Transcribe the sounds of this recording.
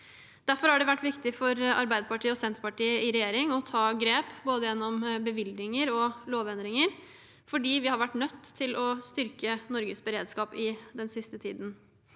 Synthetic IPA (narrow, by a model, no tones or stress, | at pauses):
d̪̥æɾfɔɾhɑɖɛʋæʈːʋɪkt̪ɪfɔɾɑ̰ɾbæɪd̪əpɑʈʰiːəɔsɛnt̪ɾpɑʈiːəɪɾɛjeːɾɪŋɔt̪ʰɑːɡɾeːpboːd̪əjɛnːɔmbəʋɪlɪŋəɾɔloːʋɛnd̪ɾɪŋəɾ | fɔɖiːʋɪhɑɾʋæʈːnœt̪ʰːɪlʔɔst̪ʏɾkənɔɾɡəsbəɾeːd̪skɑːpɪd̪ɛnsɪst̪ət̪ʰiːd̪n̩